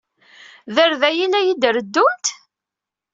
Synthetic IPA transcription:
ðəɾðæjilæjid̪ɾəd̪ːʊnt̪

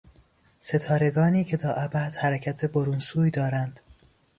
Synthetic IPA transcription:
se̞t̪ʰɒːɾe̞ɡɒːniːcʰe̞t̪ʰɒːʔæbæd̪̥hæɾæcʰæt̪ʰe̞boɾunsuːjd̪ɒːɾænd̪̥

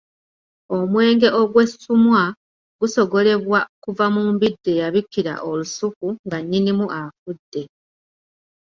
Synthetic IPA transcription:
o̞mwe̞ːŋɡe̞ʔo̞ɡwe̞sumwa | ɡuso̞ɡo̞le̞βwakuvamuːmbidːe̞jaβikːiɾa̰ʔolusukuŋɡaɲːinimuʔafudːe̞

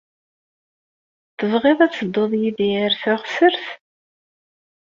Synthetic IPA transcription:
θəvʁeðˤæt͡sːəd̪ˤːoðˤjiðiəɾθʊʁsəɾθ

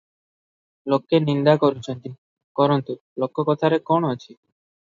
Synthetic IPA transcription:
lokːenind̪akoɾut͡ɕʰent̪i | kɔɾɔnt̪u | lokːokɔt̪ʰaɾekɔnoat͡ɕʰi

